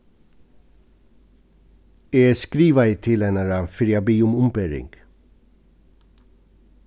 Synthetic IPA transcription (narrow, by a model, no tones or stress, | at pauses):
eːskɾiːʋɑɪt̪ʰɪlɛnɑɾɑfɪɾjɑbiːʊmʊmpeːɾɪ̰ŋɡ̥